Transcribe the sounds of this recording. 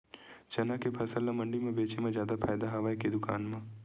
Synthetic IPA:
d͡ʒɐnakepʰɐsəlamɐ̃ɳɖimẽbeːt͡ʃemẽzjaːd̪apʰaːjd̪aɦɐʋaːiked̪ʊka̰ːnmẽ

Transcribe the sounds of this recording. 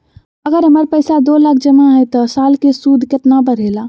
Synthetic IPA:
əɡəɾɦəməɾpəɪsad̪olak̚ʰd͡ʒəmaɦɛjt̪ɔsalkesud̪ʱket̪nabəɾ̤ela

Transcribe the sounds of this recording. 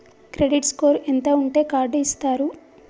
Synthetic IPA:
kɾeɖiʈskoːɾɛnt̪ɐuɳʈe̞ːkaːɾɖist̪aːɾu

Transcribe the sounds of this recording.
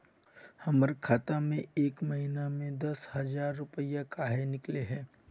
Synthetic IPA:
hɐməɾkʰaːt̪amẽeːkmɐɦinamẽd̪ɐshɐzaːɾːʊpəjakaːɦenɪkleɦɛ̃ː

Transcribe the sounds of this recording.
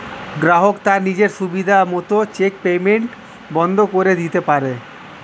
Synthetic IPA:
ɡɾaɦokt̪aɾnid͡ʑeɾʃubid̪ʱamɔt̪ot͡ɕek̚pejmeɳʈ | bɔnd̪ʱokoɾed̪it̪epaɾe

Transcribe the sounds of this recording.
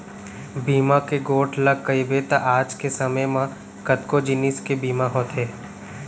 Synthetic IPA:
biːmãkeɡoːʈʰləɡ̚kəibeːt̪aʔaːd͡ʒkesɐməjmã | kət̪kod͡ʒɪniskebiːmãɦoːt̪ɦeː

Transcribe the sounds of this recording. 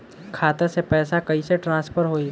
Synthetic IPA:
kʰaːt̪esepɛːsakɐɦiseʈɾãːspʰəɾɦoːi

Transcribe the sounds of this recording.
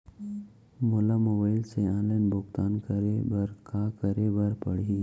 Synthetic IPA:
molamobaːɪlseãːnlaɪnbʊkt̪aːnkəɾebəɾkaːkəɾebəɾpəɽi

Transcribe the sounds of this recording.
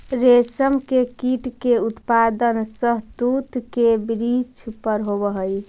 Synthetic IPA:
ɾesəmkekiʈkeut̪pad̪ənsəɦt̪ut̪kebɾit͡ʃʰpəɾɦobəɦəj

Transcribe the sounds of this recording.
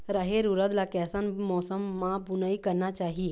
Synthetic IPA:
ɾɐɦeɾʊɾəd̪lakɛːsənmɔːsəmːãbʊnaːikɐɾnat͡ʃaːɦie

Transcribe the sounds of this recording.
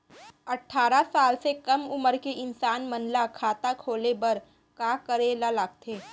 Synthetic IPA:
ɐʈʰaːɾasaːlsekɐmʊməɾkeʔɪnsaːnmənlakʰaːt̪akʰoːlebəɾ | kaːkəɾelalaːɡ̚t̪ʰeː

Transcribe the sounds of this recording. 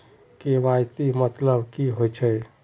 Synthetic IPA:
keʋajt̪imət̪ləbkiɦojt͡ʃʰəj

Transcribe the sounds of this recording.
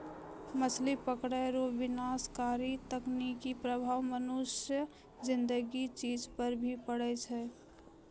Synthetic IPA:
məslipəkɽəɾobɪnaːskaːɾit̪əknikipɾəbʱaːwmənʊsjə | zɪ̃nd̪əɡit͡ʃiːd͡ʒpəɾbʱipəɽɛt͡ʃʰɛ

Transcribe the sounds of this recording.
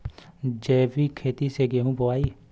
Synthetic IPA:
d͡ʒeːʋiːkʰeːt̪iseɡeɦũːboaːiː

